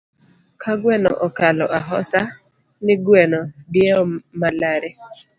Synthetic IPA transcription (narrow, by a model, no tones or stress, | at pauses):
kʰaɡwɛnɔ̰ʔɔkalɔʔaɦɔsa | nɪɡwɛnɔdjɛɔmalaɾɛ